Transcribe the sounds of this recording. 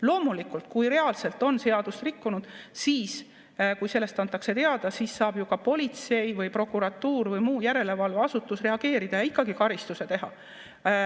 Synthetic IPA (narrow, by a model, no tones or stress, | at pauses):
lo̞ːmulikult̪̚kujɾe̞ɑlse̞lt̪ˑo̞nse̞ɑd̪̥ust̪rikːunud̪̥siːs | kujselːe̞st̪ɑnt̪ˑːɑkse̞t̪e̞ɑd̪̥ɑsiːsːɑːb̥jukɑpo̞lʲit̪se̞jvɯjpro̞kːˑuɾɑt̪ːuːrvɯjmuːjæɾe̞le̞vɑlveɑsut̪ːˑusre̞ɑɡ̥e̞ːɾid̪̥ɑjɑikːˑɑɡikɑɾist̪use̞t̪e̞ɦɑ̰